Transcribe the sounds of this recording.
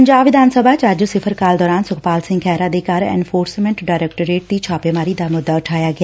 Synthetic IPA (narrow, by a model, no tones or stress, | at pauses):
pəɲd͡ʒaːbʋɪd̪ʱaːnsəbʱaːt͡ʃaːd͡ʒsɪpʰəɾkaːld̪ɔːɾaːnsʊkʰpaːlsɪ̃ŋɡkʰɛːɾãːd̪eːkaɾɛ̰ːnfʰoːɾsmɛ̃ɳʈɖaːɾɛːkʈəɾeːʈ̚d̪iːt͡ʃʰaːpeːmaːɾiːd̪aːmʊd̪ːaːʊʈʰaːjaːɡɪa